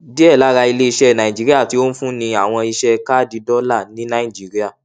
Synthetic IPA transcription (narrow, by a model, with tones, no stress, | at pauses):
di˦ɛ˦˨la˨˦ɾa˧i˧le˦i˧ʃɛ˦˨nã˨i˨d͡ʒi˨˦ɾi˦a˦˨ti˨˦o˦n̩˦fũ˦nĩ˧a˨w̃ɔ̃˧i˧ʃɛ˦ka˦˨di˨˦dɔ˦la˦˨nĩ˦nã˦i˦˨d͡ʒi˨˦ɾi˦a˦˨